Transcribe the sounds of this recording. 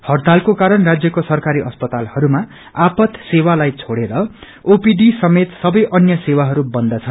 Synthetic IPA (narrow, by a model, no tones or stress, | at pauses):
hʌrd̪ʱalkokaɾʌnrad͡zjʌkosʌrkaɾiʔʌspʌt̪alhʌɾuma | apʌt̪sewalajt͡sʰoɽeɾʌ | opiɖisʌmet̪sʌbʌjʔʌnjʌsewaɦʌɾubʌnd̪ʌt͡sʰʌnn